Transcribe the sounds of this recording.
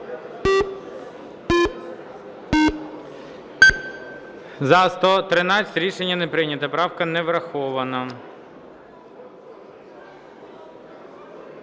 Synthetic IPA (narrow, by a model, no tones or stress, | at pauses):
zɐst̪ɔt̪ɾɪnɑt͡sʲɐtʲɾʲiʃenʲːɐnepɾɪnʲɐt̪ɐpɾɑwkɐnɛʋɾɐxɔʋɐnɐ